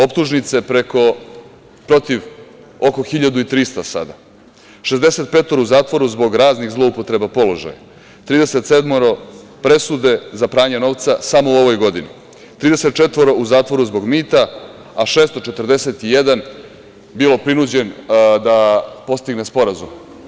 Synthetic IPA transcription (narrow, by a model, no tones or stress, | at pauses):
o̞pt̪uʒnit̪se̞pɾe̞ko̞ | pɾo̞t̪iʋ | oko̞xiʎad̪uit̪ɾist̪asa̰d̪a | ʃezd̪ese̞t̪̚pe̞ːt̪oɾouzaːt̪ʋo̞ɾuzbo̞ɡɾaːzniɣzlˠo̞upo̞t̪ɾe̞bapo̞lo̞ʒa̰ja̰ | t̪ɾiːd̪e̞se̞t̪se̞d̪moɾo̞pɾe̞sud̪e̞zapɾaːɲeno̞ʋt̪sasamo̞uo̞ʋo̞jɡo̞d̪inḭ | t̪ɾiːd̪ese̞t̪̚t͡ʃe̞t̪ʋo̞ɾo̞uzaːt̪ʋo̞ɾuzbo̞ɡmiːt̪a | aʃeːst̪o̞t͡ʃe̞t̪ɾd̪e̞set̪ijed̪an | bilˠo̞pɾinud͡ʑe̞nd̪apo̞st̪iɡnespo̞ɾazum